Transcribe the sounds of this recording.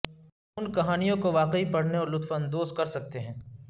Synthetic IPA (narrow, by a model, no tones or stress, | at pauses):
ʊnkɐɦaːnijõkoʋaːqeipɐɽ̤neɔɾlʊt̪fənd̪oːskɐɾsɐk̚t̪eɦɛ̃ː